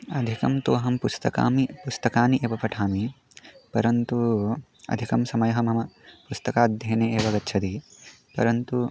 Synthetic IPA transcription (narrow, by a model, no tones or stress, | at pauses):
ɐd̪ʱikɐmt̪oʋɐɦɐmpust̪ɐka̰ːmipust̪ɐkaːniʔeːʋɐpɐʈʰaːmi | pɐɾɐnt̪u | ɐ̰d̪ʱikɐmsɐmɐjɐɦɐmɐmɐpust̪ɐkaːd̪ʱjeːneːeːʋɐɡɐtːt͡ʃʰɐd̪i | pɐ̰ɾɐnt̪u